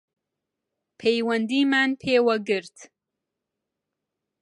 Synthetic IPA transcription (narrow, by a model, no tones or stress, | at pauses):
pʰejwɐnd̪imaːnpʰeːwaɡɨɾt̪